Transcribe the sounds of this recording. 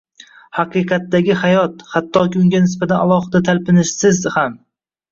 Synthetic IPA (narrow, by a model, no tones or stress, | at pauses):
hɑqɨqɑt̪ːaɡʲɪhajɒt̪hat̪ʰːɒkʲiʊŋɡʲanɪs̬bat̪ʰanalˠɒhɨd̪at̪ʰalpɪnɪʃsɪzham